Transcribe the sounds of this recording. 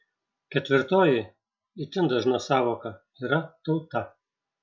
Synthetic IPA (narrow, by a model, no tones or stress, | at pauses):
kʲɛt̪ʲʋʲɪɾt̪oːjɪ | it̪ʲɪnd̪ɐʒnɐsɑːʋoːkɐ | iːɾɐt̪ɒʊt̪ɐ